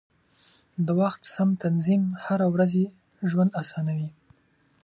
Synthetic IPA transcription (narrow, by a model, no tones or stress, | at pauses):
d̪əwaxt̪samt̪anzimhaɾawɾaze | ʒwand̪asɑnawi